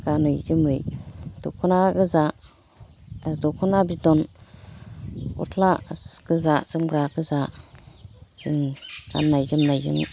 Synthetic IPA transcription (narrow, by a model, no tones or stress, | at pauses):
ɡ̥anɯjzɯmɯjd̥okʰunaɡɯza | dɔkʰunabidɔn | ṵtʰlakɯzaz̥ɯmɡɾakɯza | z̥ɯŋɡ̥a̰nːajzɯmnajzɯ̰ŋ